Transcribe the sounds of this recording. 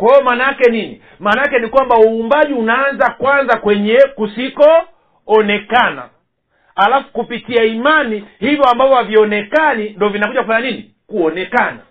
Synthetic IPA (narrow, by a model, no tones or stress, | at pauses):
kwajɔmaːnajakɛnini | maːnaakɛnikwambauːmbaʄiunaːnzakwanzakwɛɲɛkusikɔː | ɔnɛkana̰ | alafu̥kupitiaimanihivjɔambavɔhaviɔnɛkanindɔvinakuʄakufaɲanini | kuɔnɛkana